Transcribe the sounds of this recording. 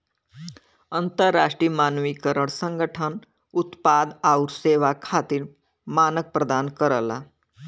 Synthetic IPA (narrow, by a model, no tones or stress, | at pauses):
ənt̪əɾːaʂʈɾiːmaːnʋikəɾəɽ̃səŋɡəʈʰən | ut̪pad̪auɾseʋakʰat̪iːɾ | maːnək̚pɾəd̪ankəɾəla̰